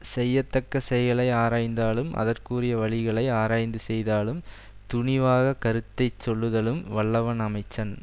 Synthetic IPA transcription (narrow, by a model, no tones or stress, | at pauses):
sɛjːɐt̪ːɐkːɐsɛjɐɭɐɪaːɾaːjnd̪aːlɯmʔɐ̰ðɐrkuːrɪjɐʋɐɭɪɣɐɭɐɪaːɾaːjnd̪ɯsɛjðaːlɯm | t̪ʊɳɪʋaːɣɐkɐɾɯt̪ːɐɪt͡ʃːɔɭːɯðɐlɯmʋɐɭːɐʋɐnɐmɐɪt͡ʃːɐn